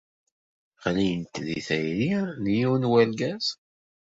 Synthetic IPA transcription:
χlijənt̪ðḭθæjɾinjuwnwælɡæz

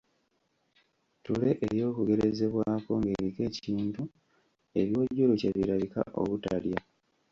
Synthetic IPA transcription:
tule̞ʔeɾjo̞ːkuɡe̞ɾeze̞βwaːko̞ŋɡe̞βike̞ːciːntu | e̞βjo̞ːɟːuloceβiɾaβika̰ʔo̞̰βutalja

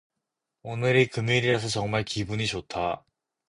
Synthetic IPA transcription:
onɯɾikɯmiɾiɾasʰʌt͡ɕʌŋmaɭkibuɲit͡ɕotʰa

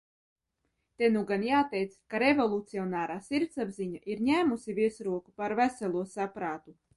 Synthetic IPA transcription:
t̪enuɡanjaːt̪ɛjt̪skaɾevolˠut̪siɔnaːɾaːsiɾt̪sabziɲaʔiɾɲæːmusiviɛsɾuɔkupaɾvæsɛlˠuɔsapɾaːt̪u

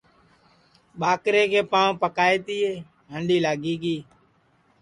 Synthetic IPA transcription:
ɓaːkɾeːkeːpãːopəkaːeːt̪iːeː | ɦəɳɖiːlaːɡiːɡiː

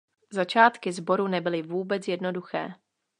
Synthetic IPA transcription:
zat͡ʃaːt̪kɪzbo̞ɾunɛbɪlɪvuːbɛt͡sjɛdno̞duxɛ̰ː

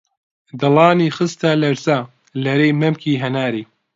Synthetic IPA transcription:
d̪ɐlˠɑːniːxɨst̪alɐɾzaː | lɐɾejmɐmkʰiːɦɐnaːɾiː

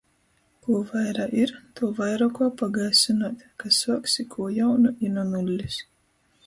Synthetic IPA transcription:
kuɔvajɾaʔiɾt̪uɔvajɾakɔpaɡajsinaːt̪ʲkasuɔksikʰuɔjawnuʔinɔnulʲːis

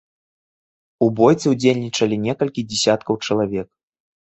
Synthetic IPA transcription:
ubɔjt̪sɛwd͡zʲelʲnʲit͡ʂɐlʲinʲɛkɐlʲkʲid͡zʲɛsʲat̪̚kɐwt͡ʂɐlˠavʲɛk̚

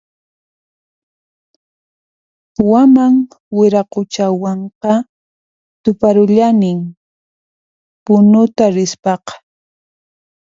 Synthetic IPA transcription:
wamaŋ | wɪɾaqʊt͡ʃawɑɴqɑ | t̪ʊpaɾʊʎanɪŋ | pʊnʊt̪aɾɪspɑqɑ̥

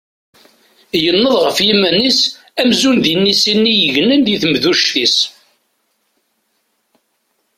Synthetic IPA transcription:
jənːəðˤʁəfjimːænis | æmzunðənːisinːijəʝnənd̪jiθmðuʃθis

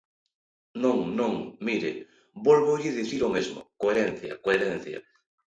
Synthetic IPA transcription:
nõŋnõŋmiɾḛ | bolβoʎɪðiθiɾomezmʊ̰koeɾen̟θjɐ̰koeɾen̟θjɐ̰

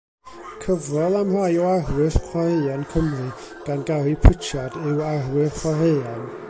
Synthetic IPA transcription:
kʰəvrɔlˠamr̥ajɔaɦwɨθχʰwaheankʰəmrɨ | ɡ̥anɡaɾipʰɪt͡ʃjadɪwaɦwɪχwaɦeːan

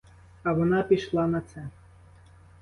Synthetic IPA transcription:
ɐʋɔnɑpʲiʃlˠɑnɐt̪sɛ

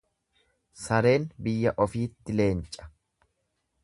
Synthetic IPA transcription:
sɐɾe̞ːnbɪjːɐʔɔfiːt̪ːɪle̞ːnt͡ʃʼɐ̥

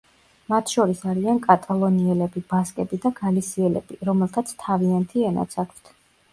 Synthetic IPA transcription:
mat̪ʰʃɔɾisaɾiankʼat̪ʼalˠɔniɛlɛbibaskʼɛbid̪aɡalisiɛlɛ̰biɾɔmɛlˠt̪ʰat̪sʰt̪ʰaviant̪ʰiɛna̰t̪sʰakʰt̪ʰ

